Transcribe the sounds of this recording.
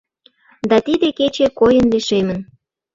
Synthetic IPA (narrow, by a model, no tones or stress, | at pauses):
d̪ɑt̪id̪eket͡ɕekojənliʃemən